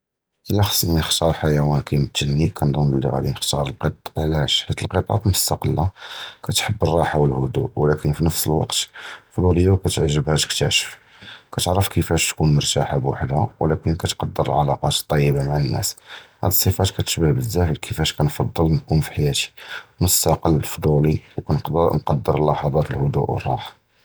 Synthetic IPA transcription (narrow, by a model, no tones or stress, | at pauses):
ʔəlːæxɑ̥sˤninəxt̪ɑɾˤħajæwænkʰæjmət̪ːənːikʰænd̪ˤʊnəlːḭɣæ̰d̪inəxt̪ɑɾˤəlqət̪ˤʕlæʃħat̪ːəlqət̪ˤɑ̰t̪mʊst̪ɑqəlːakæt̪ħəbːərˤːɑħawəlhʊd̪ṵwlækənfinəfsəlwɑ̰qt̪fd̪ljːawkæt̪əʕʒːəbhæd̪k̚t̪əʕʃə̥f | kæt̪əʕɾəfkəfæʃt̪kunmɑɾˤt̪aħabwa̰ħd̪awəlækənkæt̪qɑd̪ːəɾəlʕɑlɑqɑt̪t̪ˤːɑjːəbamaʕanːæ̰shæ̰d̪əsˤːəfɑt̪kæt̪ə̥ʃbəhbəzːæfəlkʰəfæʃkænfɑd̪ˤːəlnkumfi̥ħajæt̪i̥nəssɑqɑlːəlfd̪ˤuliwkænnqɑd̪ːəɾlːɑħɑd̪ˤɑt̪əlhʊd̪ṵʔwə̰rˤːɑ̰ħ